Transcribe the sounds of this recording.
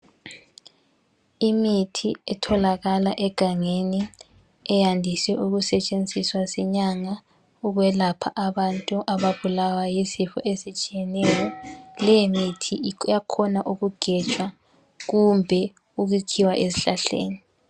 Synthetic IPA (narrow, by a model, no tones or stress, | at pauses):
imitʰiɛtʰɔlaɣalaʔɛɡ̥ʱaŋeni | ɛjandʱisɛʔuɣusɛt͡ʃʼend͡zʱiswasɛɲaŋa | uɣwɛlapʰa̰ʔaβantʼuʔaβaβulawajisifɔ̰ʔesit͡ʃʼijɛnɛjɔlɛjimitʰijakʰɔnaʔuɣuɡ̥ʱɛt͡ʃʼwa | ɣumbʱɛ | uɣukʰiwaʔeziɬaɬḛːni